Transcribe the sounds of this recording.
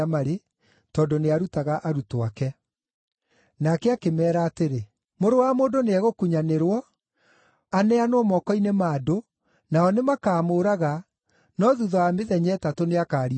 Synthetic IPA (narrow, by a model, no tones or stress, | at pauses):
amaɾe | tɔːdoneaɾutaɣaʔaɾutoakɛ | nakɛakemɛːɾaːteɾe | moɾowamoːndoneɛɣokuɲaneɾwɔ | anɛanoɔmɔkɔinemado | naɔnemakaːmoːɾaɣa | nɔðuðɔameðɛɲɛtatoneakaːɾi